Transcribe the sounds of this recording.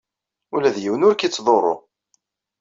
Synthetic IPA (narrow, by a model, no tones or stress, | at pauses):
ʊlæðjiwənʊɾkit͡sːðˤorˤːo̰